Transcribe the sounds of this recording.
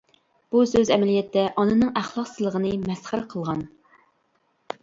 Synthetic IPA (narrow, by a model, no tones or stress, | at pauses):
b̥usøzɛmɛlijɛt̪ʰːɛʔɑnɨnɨŋæχlˠɑqsɨzlˠəʁənɨmɛsχəɾqʰəlˠʁɑn